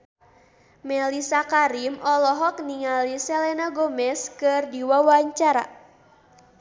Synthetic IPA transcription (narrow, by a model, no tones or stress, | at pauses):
mɛlisakaɾimɔlɔɦɔk̚niŋalisɛlɛnaɡomɛskɨrdiwawaɲt͡ʃaɾa̰